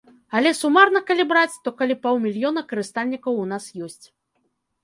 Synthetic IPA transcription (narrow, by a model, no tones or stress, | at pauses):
ɐlʲɛsumarnɐkɐlʲibɾat͡sʲt̪ɔkɐlʲipawmʲilʲjɔnɐkɐɾɨst̪alʲnʲikɐwun̪asjɔsʲt͡sʲ